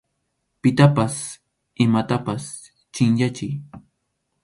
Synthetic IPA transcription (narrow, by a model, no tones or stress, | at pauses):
pɪt̪apas | ɪmat̪apas | t͡ʃɪŋjat͡ʃɪj